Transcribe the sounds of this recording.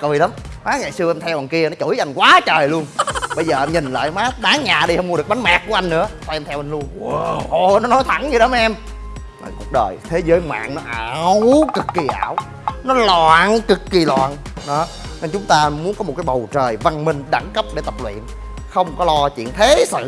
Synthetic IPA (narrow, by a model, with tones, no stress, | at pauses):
kɨ˨˩jla˨˦mmaː˨˦˥ŋa˨˩jsɨ˧əʔɛ˧mt̪ʰɛ˧wʔa˧˩nki˧ənɔ˨˦t͡ɕu˧˩˦jʔa˧˩jŋ̟kwaː˨˦t͡ɕəː˨˩jlu˧ənɓə˧jzəː˨˩ʔɛ˧mɲi˨˩ŋ̟la̰ː˧˨jmaː˨˦˥ɓaː˨˦ŋɲaː˨˩ɗi˧hə˧wŋ͡mmu˧ɗək̚ɓa˨˦nmaː˨˩k̚ku˧˩əʔjŋnɨ̰˧˥ət̪ʰɔ˧ʔɛ˧mt̪ʰɛ˧wʔa˧ŋ̟lu˧ənʔɔ˨˩nɔ˨˦nɔ˨˦jt̪ʰa˧˩˦nɲɨ˧˩ɗə˨˦m˧ʔɛ˧m | na̰˨˩ku˨˩k̚ɗəː˨˩jt̪ʰe˨˦zəː˨˦jŋwa̰ː˧˨ŋnɔ˨˦ʔaː˨˧˨wkɨ˨˩kːi˨˩ʔaː˧˩˨w | nɔ˨˦la˨˧˨nkɨ˨˩kːi˨˩lwa̰ː˧˨nɗɔ˨˦ | ɲə˧nt͡ɕʊ˨˦ŋ͡mt̪aː˧mu˨˦nkɔ˨˦o˨˩t̚kaː˨˦jɓə˨˩wt͡ɕəː˨˩jva˧ŋmï˧ŋ̟ɗa˧˩ŋkə˦˥p̚ɗe˧˩t̪ə˨˩p̚lwḭ˧˨ən | xə˧wŋ͡mkɔ˨˦lɔ˧t͡ɕwḭ˧˨ənt̪ʰe˨˦sɨ̰˧˨